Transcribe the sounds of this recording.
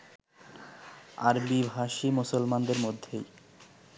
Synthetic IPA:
aɾbibʱɦaʃimusolmand̪eɾmod̪ʱːḛj

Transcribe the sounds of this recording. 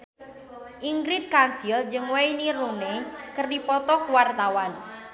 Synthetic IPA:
ʔiŋɡɾit̪̚kansild͡ʒɨŋwejniɾunekərdipɔt̪ɔkuwart̪awan

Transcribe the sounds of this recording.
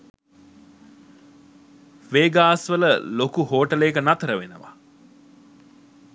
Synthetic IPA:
ʋeːɡaːsʋələlokuɦoːʈəlekənat̪əɾəʋenə̰ʋa̰

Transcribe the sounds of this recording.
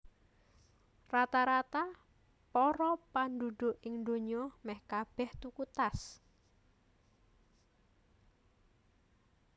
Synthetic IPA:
rat̪aɾat̪a | pɔɾɔpanduɖ̪̥o̤ʔɪŋd̪oɲɔmɛhkab̥ɛht̪ukut̪as

